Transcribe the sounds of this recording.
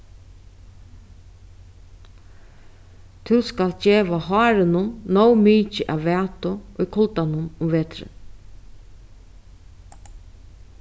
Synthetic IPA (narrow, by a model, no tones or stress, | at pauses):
t̪ʰɪskald͡ʒeːʋaɦɑːɾɪnʊnnɔwmiːt͡ʃɪʔaʋʋæːt̪ʊʔɔjkʰʊlt̪anʊnʊmʋɛːt̪ɾɪ̰n